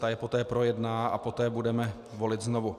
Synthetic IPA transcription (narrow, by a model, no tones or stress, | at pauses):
t̪ajɛpo̞t̪ɛːpɾo̞jɛdnaːa̰po̞t̪ɛːbudɛmɛ | vo̞lɪt̪zno̞vu